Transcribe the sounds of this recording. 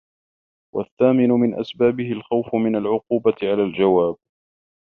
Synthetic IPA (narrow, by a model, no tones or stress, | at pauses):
wʔa̰θːaːmɪnʊmɪnʔa̰sbaːbɪhɪlxawfʊmɪnalʕʊquːbaɪʕalaːld͡ʒawaːb̚